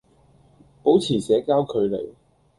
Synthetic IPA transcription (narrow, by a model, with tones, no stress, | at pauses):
po˨˥wt͡sʰiː˨˩sɛː˨˥kaː˥wkʰɵ˨˧ɥlḛ˨˩j